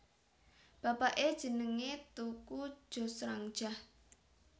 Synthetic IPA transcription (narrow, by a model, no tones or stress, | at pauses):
b̥apaʔed̥ʒ̥ə̤nəŋet̪uku̥ʒ̥o̤sɾaŋ̥ʒ̥ah